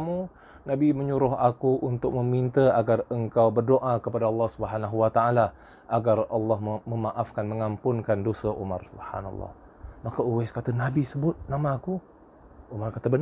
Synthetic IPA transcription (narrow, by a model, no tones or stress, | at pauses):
mu | nabiməɲuɾʊɦakuʔunt̪ʊk̚məmint̪əaɡarəŋkawbərdoʔakəpadaɑlːɑhsubəɦanaɦuwat̪aala | ʔaɡarɑlːɑɦməmaʔafkanməŋampʊnkandosəʔṵmarsubha̰na̰lˤːɑ̰h | makauweskat̪ənabisəbʊt̪̚namaːku | umarkat̪əbən